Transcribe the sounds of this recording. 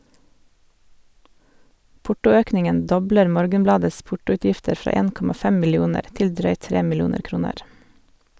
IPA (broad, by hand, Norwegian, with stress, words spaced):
ˈpʊʈʊˌøːknɪŋən ˈdɔbləɾ ˈmoːɾɡənˌblɑːdəs ˈpʊʈʊʉˌtjɪftəɾ ˈfɾɑː ˈeːn ˈkɔmɑ ˈfɛm mɪlɪˈuːnəɾ ˈtɪl ˈdɾœʏt ˈtɾeː mɪˈluːnəɾ ˈkɾuːnəɾ